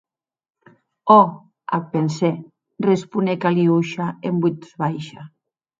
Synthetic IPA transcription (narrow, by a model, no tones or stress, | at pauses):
ɔ | a̰pense | respunekaliuʃaembut̪zβajʃa